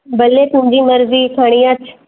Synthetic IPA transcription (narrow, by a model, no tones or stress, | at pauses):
bɐlːet̪ʊ̃ɲd͡ʒiːməɾziːkʰaːɽ̃ijãt͡ʃʰ